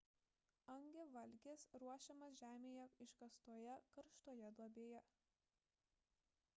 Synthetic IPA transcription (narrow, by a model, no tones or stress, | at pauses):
ɐŋʲɡʲeʋɐlʲˑɡʲeːsɾuɔʃʲɛmɐsʒʲæːmʲeːjɛɪʃkɐst̪uɔjɛkɐɾʃt̪oɔjɛd̪uɔbʲeːjɛ